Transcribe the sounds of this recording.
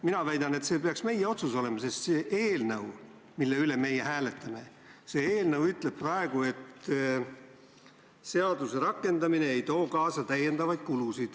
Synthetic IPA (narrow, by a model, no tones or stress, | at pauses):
minɑvæjd̪̥ɑne̞t̪se̞ːpe̞ɑksme̞jːeo̞t̪suso̞le̞mɑse̞st̪seːʔeːlnɤw | milːe̞yle̞me̞jehæːle̞t̪ˑːɑme̞ | se̞ːeːlnɤwyt̪ˑle̞b̚pːrɑe̞ɡ̥ue̞t̪ | se̞ɑd̪̥use̞ɾɑkːˑe̞nd̪ɑmine̞ejt̪o̞ːkɑːsɑt̪æje̞nd̪ɑvɑjd̪̥̚kulusid̪̥